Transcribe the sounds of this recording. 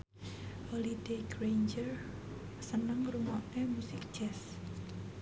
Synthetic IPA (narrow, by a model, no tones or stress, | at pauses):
hɔlid̥eɡɾejnd͡ʒər | sənəŋruŋɔʔnemusɪk̚ʒ̥ɛs